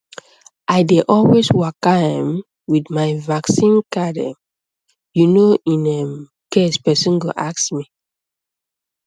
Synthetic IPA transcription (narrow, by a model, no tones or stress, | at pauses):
ʔaɪdeʔɔlweswakãm | widmaɪvaksĩnkadɛ̰̃m | junoĩnɛ | kespɛsɔ̃nɡo̰ʔaksmi